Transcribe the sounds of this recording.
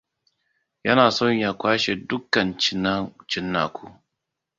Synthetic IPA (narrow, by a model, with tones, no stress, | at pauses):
jɐ˦naː˨sɔ˦ɲjaː˨kʷaː˦ʃe˨dʊ˦kːɐ˨nt͡ʃɪ˨na˦t͡ʃɪ˦nːa̰ː˨kʷu˦